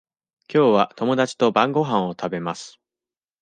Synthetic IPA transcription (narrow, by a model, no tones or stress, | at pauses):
kʲo̞ːβat̪o̞mo̞d̪at͡ɕi̥t̪o̞bãŋɡo̞ɦãɰ̃o̞t̪ʰabe̞masɨ̥